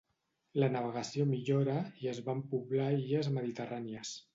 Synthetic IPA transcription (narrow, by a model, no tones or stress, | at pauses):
lənəβ̞əɣəsiomiʎoɾəiəzβampuβlaiʎəzməðit̪əraniəs